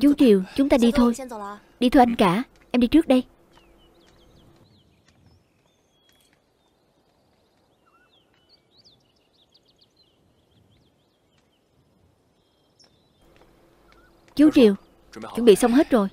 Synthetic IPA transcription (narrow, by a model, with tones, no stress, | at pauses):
t͡ɕu˨˦t͡ɕi˨˩əwt͡ɕʊ˨˦ŋ͡mt̪aː˧ɗi˧t̪ʰo˧j | ɗi˧t̪ʰo˧ʔa˧ŋkaː˧˩ | ʔɛ˧mɗi˧t͡ɕɨ˦˥ək̚ɗə˧j | t͡ɕu˨˦t͡ɕi˨˩əw | t͡ɕṵ˧˥˦ŋ͡mɓḭ˧˨sə˧wŋ͡mɦe˦˥t̚zo˨˩j